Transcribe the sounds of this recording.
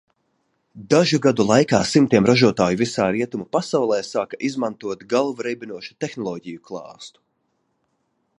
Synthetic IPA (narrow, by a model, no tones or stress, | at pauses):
d̪aʒuɡad̪ulˠajkaːsimt̪iɛmɾaʒuɔt̪aːjuvisaːɾiɛt̪umupasawlˠɛːsaːkaʔizmant̪uɔt̪ɡalˠvuɾɛjbʲinuɔʃu̥t̪exnɔlˠɔːɟijuklˠɑ̰ːst̪u̥